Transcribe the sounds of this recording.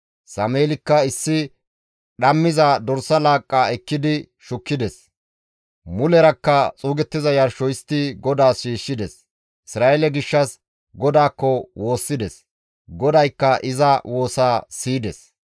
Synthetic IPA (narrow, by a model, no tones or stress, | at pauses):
sɐmeːlɪkːɐɪsːɪ | ɗɐmːɪzɐd̪ɔɾsɐlaːkʼːaːɛkːɪd̪ɪ | ʃʊkːɪd̪ɛs | mʊlɛɾɐkːɐt͡sʼuːɡɛt̪ːɪzɐjɐɾʃɔjst̪ːɪɡɔd̪aːsʃiːʃːɪd̪ɛs | ɪsɾaːʔɛlɛɡɪʃːɐs | ɡɔd̪aːkːɔwo̞ːsːɪd̪ɛs | ɡɔd̪ɐjkːɐʔɪzɐwo̞ːsaːsiːd̪ɛs